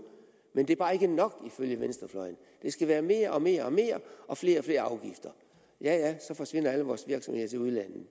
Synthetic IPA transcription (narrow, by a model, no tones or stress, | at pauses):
mend̥e̝bɑ̈ːe̝ɡ̥ənɒ̽ɡ̥iføljəʋensd̥ʁɐflɒ̽ɪən̩ | d̥e̝sɡ̥æʋæːɐme̝ːɐʔɒ̽me̝̰ːɐɒ̽me̝̰ːɐʔɒ̽fle̝ːɐɒ̽fle̝ːɐɑ̈ʊɡ̥ifd̥ɐ | jæjæsɒ̽fɒ̽sʋe̝n̰ɐæləʋɒːsʋiɐɡ̥sɒ̽mhe̝ð̰ˠt͡sʰe̝uð̞ˠlæn̰ð̩